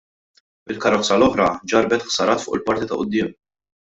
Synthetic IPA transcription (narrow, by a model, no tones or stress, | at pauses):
ɪlkɐɾɔt͡sːɐlɔħɾɐd͡ʒɐɾbɛt̪ħsɐɾɐːt̪fʊ̰ːʔɪlpɐɾt̪it̪ɐ̰ʔʊd̪ːɪːm